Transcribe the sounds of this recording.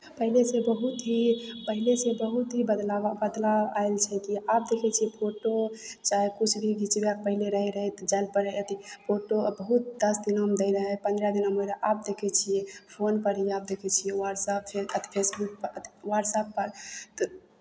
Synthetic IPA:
pəɦilesebəɦut̪ɦipəɦilesebəɦut̪ɦibəd̪laabəd̪laaelt͡ʃʰɛkiap̚d̪ekʰɛt͡ʃʰijepʰoʈot͡ʃaɦekut͡ʃʰbʱiɡit͡ʃbeak̚pəɦileɾəɦɛɾəɦɛt̪d͡ʒalpəɾɛət̪ipʰoʈobəɦut̪̚d̪əsd̪inɦəmd̪əɪɾəɦɛpə̃nd̪ɾad̪inɦəməɾaʔap̚d̪ekʰɛt͡ʃʰijepʰonpəɾɦiap̚d̪ekʰɛt͡ʃʰijewaɖsapʰeət̪i̥pʰesbuk̚ːət̪waɖsapːəɾt̪

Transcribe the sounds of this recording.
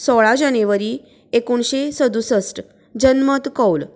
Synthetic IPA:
sɔɭad͡ʑaneʋəɾi | ekuɳɕesəd̪usəsʈ | d͡ʑənmət̪kɔwl

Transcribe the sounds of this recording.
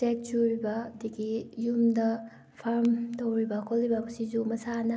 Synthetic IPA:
ek̚t͡ʃuɾibɐːdiɡijumdɐ | pʰaɾmtowɾibɐkʰolːibɐmɐsizumɐsanɐ

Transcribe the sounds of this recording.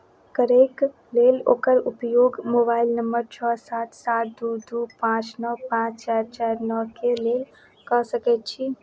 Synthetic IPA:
kəɾek | lelo̰ːkəɾupjoɡmobailnəmbəɾt͡ʃʰɔsat̪ʰsat̪̚ʰd̪ud̪upãt͡ʃnəwpãt͡ʃt͡ʃaɾt͡ʃaɾnɔkelel | kəsəkɛt̪t͡ʃʰi

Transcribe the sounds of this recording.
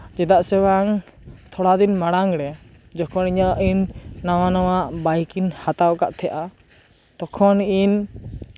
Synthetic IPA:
d͡ʒɛd̪aʔsɛwaŋ | t̪ʰɔɽad̪inmaɽaŋɾɛ | d͡ʒɔkʰɔniɲaʔʔinːaw̃anɔwaʔbajkinhat̪awkaʔt̪ʰɛjʔa | t̪ɔkʰɔnin

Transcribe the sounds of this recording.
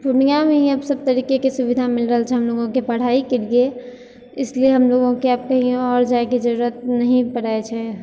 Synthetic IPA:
pʊnijamẽɐbsəb̚t̪əɾiːkekesʊbɪd̪ʱamɪlɾəɦəlt͡ʃʰɛɦɐmloɡõkepɐɽ̤aːikeɽie | ɪslieɦɐmloɡõkeaːp̚kɐɦĩeɔːɾd͡ʒaekid͡ʒəɾuɾət̪̚nɐɦĩpəɽ̤aet͡ʃʰɛ

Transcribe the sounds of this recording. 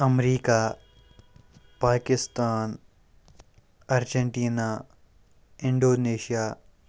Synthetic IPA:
ɐmɾiːka | paːkɪst̪aːn | ɐɾd͡ʒeɳʈiːna | ɪɳɖoːneːʃijaː

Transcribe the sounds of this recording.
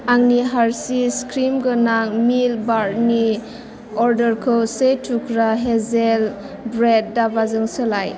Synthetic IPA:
aŋniɦaɾsiskɾimɡɯnaŋmilbaɾni | ɔɾdəɾkʰɯwsejtʰukʰɾaɦezel | bɾed̚ːabazɯŋsɯlaj

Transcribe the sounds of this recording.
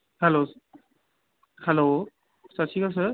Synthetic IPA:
hɛlos | hɛlo | satʰikas̬ə

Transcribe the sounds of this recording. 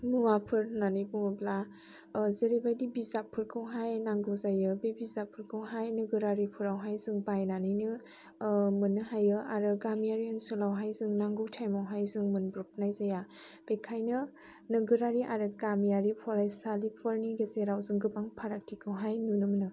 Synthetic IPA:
muwapʰɯɾnanɯjbuŋɯbla | zeɾibajdibizapʰːɯɾkʰɯwɦajnaŋɡɯwzajɯbebizapʰːɯɾkʰɯwɦajnɯɡɯɾaɾipʰɯɾawɦajzɯŋbajnanɯjnɯ | mɯnɯɦajɯaɾɯɡamijaɾiɯnsɯlawɦajzɯŋnaŋɡɯwtʰajmawɦajzɯŋmɯnbɾup̚najzajab̥ekʰajnɯ | nɯɡɯɾaɾiʔaɾɯɡamijaɾipʰɔɾajsalipʰɔɾniɡezeɾawzɯŋɡɯbaŋpʰaɾak̚tʰikʰɯwɦajnunɯmɯnɯ

